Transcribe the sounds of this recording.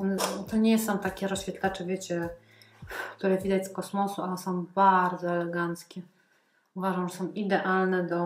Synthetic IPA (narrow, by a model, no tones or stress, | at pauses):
ɔnɛt̪ɔɲɛsɔ̃w̃t̪akʲɛɾɔɕfʲɛt̪lat͡ʂɛvʲjet͡ɕɛ | kt̪uɾɛvʲid̪at͡ɕskɔsmɔsuaɛsɔ̃w̃baɾd̪zɔɛlɛɡant̪skʲɛ | uvaʐamʐɛsɔ̃w̃id̪ɛʔalnɛd̪ɔ